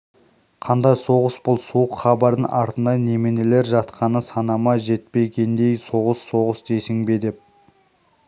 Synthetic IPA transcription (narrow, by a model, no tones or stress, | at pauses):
qʰɑnd̪ɑjso̞ʁəsb̥ʊlˠsuwəqχɑbɑɾd̪ənʔɑɾt̪ənd̪ɑne̞me̞ne̞leɾʒɑt̪qʰɑnəsɑnɑmɑʒe̞t̪̚pe̞ɡʲe̞nd̪e̞jso̞ʁəsːo̞ʁəsd̪e̞sɪŋbe̞d̪e̞p̚